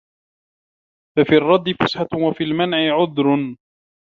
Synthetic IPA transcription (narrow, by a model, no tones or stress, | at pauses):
fafiːɑrˤːɑd̪ːɪfʊsħawafiːlmanʕɪʕʊd̪ɾ